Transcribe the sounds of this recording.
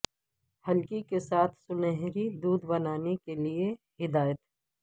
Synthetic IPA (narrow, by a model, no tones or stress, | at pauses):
hɐlkikesaːt̪ʰsʊnɛɦɾid̪uːd̪bɐnaːnekelie | hɪd̪aːjət̪ɦɛː